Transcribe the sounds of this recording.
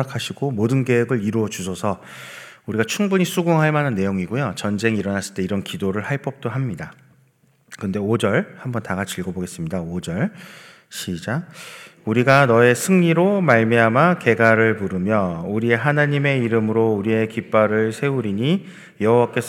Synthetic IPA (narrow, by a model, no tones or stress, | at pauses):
akʰaɕʰiɡomodɯnɡeɦeɡɯɭiɾuʌd͡ʑusʰʌsʰʌ | uɾiɡat͡ɕʰuŋbuɲisʰuɡuŋɦaɭmanɯnːe̞joŋiɡojot͡ɕʌnd͡ʑe̞ŋiiɾʌnas͈ɯɭt͈e̞iɾʌnkidoɾɯɭhaɭp͈ʌp̚t͈oɦamɲida | kɯnde̞od͡ʑʌɭhambʌntaɡat͡ɕiɭɡʌboɡe̞s͈ɯmɲidaod͡ʑʌɭ | ɕʰid͡ʑauɾiɡanʌe̞sʰɯŋɲiɾomaɭmiɦamake̞ɡaɾɯɭmuɾɯmjʌuɾie̞ɦanaɲime̞iɾɯmɯɾouɾie̞kip͈aɾɯɭsʰe̞uɾiɲi | jʌɦowak͈e̞sʰ